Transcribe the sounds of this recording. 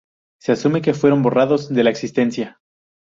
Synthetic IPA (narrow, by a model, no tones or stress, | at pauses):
se̞asume̞k̬e̞fwe̞ɾo̞mbo̞raðo̞zðe̞laeksist̪e̞nsja